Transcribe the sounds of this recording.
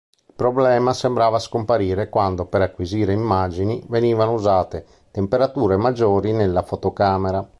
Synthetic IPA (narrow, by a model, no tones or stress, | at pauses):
ilpɾɔblɛːmasembɾaːvaskompaɾiːɾekwand̪opeɾakːwiziːɾeimːad͡ʒiniveniːvanouzaːt̪e | t̪empeɾat̪uːɾemad͡ʒːoːɾinelːafot̪okaːmeɾa